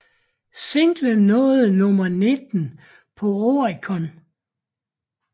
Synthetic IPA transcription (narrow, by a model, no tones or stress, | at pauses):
se̝ŋ̰ɡ̥lənɔ̽ːð̩ˠnɔ̽mɐne̝d̥n̩ | pʰɒ̽oʁikʰɒn